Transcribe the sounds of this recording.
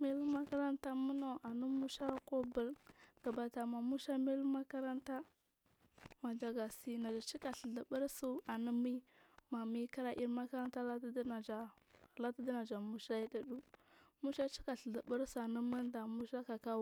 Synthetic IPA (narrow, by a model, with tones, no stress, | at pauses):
me˦lma˦ka˦ɾa˦nta˦mu˦no˨ʔa˨nu˦mu˦ʃa˦ko˦bə˦˨lɡ̥a˨ba˨ta˨ma˨mu˦ʃa˦me˦lma˦ka˦ɾa˦nta˦ | ma˨d͡ʒa˨ɡa˨si˨na˨d͡ʒa˨t͡ʃi˦ka˨ɬə˨ɮa˨bə˦ɾsu˦˨a˨nə˦mi˦ma˨mi˦ka˦ɾa˦ʔi˦ɾma˦ka˦ɾa˦nta˦la˦dd͡ʒa˨la˦ta˦da˦na˨d͡ʒa˨mu˨ʃa˦i˦da˦ɗu˦mu˦ʃa˦t͡ʃi˦ka˨ɬə˨ɮa˨bə˦ɾsu˦˨a˨nə˦mə˦nda˨mu˦ʃa˦ka˨ka˦